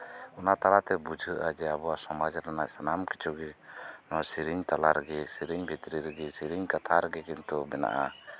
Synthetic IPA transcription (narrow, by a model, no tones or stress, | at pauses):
ɔnat̪aɾat̪ɛbud͡ʒʱəʔad͡ʒɛabuwasɔmad͡ʒɾanaʔsanamki̥t͡ʃʰɔɡɛnasiɾiɲt̪alaɾɛɡɛsiɾiɲbʱit̪ɾiɾɛɡɛsiɾiɲkat̪ʰaɾɛɡɛkɛnt̪ɔbɛna̰ʔa̰